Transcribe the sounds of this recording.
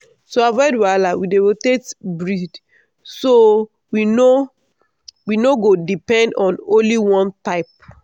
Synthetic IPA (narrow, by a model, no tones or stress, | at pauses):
soavɔɪdwalawidewotetbɹid | so | wino | winoɡodipɛ̃ndɔ̃nõnliwɔ̃ntaɪp̚